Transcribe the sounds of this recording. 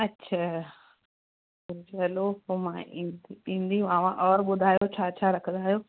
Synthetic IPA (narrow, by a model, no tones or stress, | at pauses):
ɐtːɕʰaː | ʊd͡ʑɐlopomãʔĩːd̪iĩːn̆d̪iʋãːʋãʔɔːɾɓʊd̪ʱaːjot͡ɕʰaːt͡ɕʰaːɾɐkʰə̃n̆d̪aːɦijoː